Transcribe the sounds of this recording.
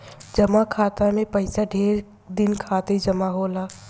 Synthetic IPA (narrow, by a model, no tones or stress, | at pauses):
d͡ʒɐmakʰaːt̪amẽpɐɪsaɖʱeːɾ | d̪ɪnkʰaːt̪ed͡ʒɐmaɦoːlaː